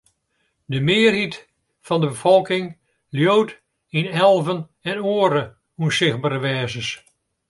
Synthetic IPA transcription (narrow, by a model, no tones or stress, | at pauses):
dəmɪərɦit | fɑndəbəfɔlˠkɪŋ | ljowt | inɛlˠvən | ɛnoːəɾə | unsɪχbaːɾəʋɛːzəs